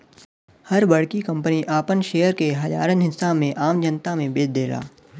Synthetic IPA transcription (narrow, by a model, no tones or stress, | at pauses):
hɐɾbɐɽ̤kikɐ̃mpəniʔaːpənʃeːəɾkeɦɐd͡ʒa̰ːɾənɦɪsːamẽʔaːmd͡ʒənt̪amẽbeːdd̪eːla̰ː